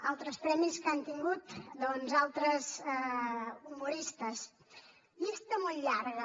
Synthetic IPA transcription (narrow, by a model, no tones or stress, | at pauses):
a̰lˠt̪ɾəspɾɛmiskant̪iŋɡut̪d̪ɔnzalˠt̪ɾəzɛumuɾist̪əs | bist̪əmɔlʎaɾɣə